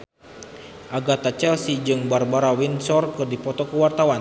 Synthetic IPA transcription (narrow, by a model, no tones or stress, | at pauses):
ʔaɡat̪at͡ʃɛlsid͡ʒɨŋbarbaɾawinsɔrkɨrdipɔt̪ɔkuwart̪awan